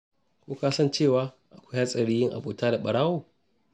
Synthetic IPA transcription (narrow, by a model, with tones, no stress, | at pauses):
kʷoː˦kaː˦sɐ˦˨nt͡ʃeː˦˨waː˨˦ | ʔa˨kʷa˦ha˦sʼɐ˨ɽiː˦jɪ˦ŋʔa̰˨boː˨taː˦da˨ɓɐ˨ɽaː˦woː˨